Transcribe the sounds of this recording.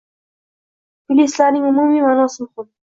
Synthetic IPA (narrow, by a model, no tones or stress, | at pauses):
pilisɮaːniːŋumuːmiːmanʊːsə̆ŋχʊl